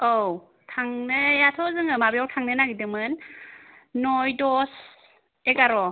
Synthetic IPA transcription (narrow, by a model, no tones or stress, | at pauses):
ow | tʰaŋnɯjatʰɔzɯŋɯmabijɔwtʰaŋnɯnaɡidɯŋmɯnː | ɔjdɔs | eɡaɾɔ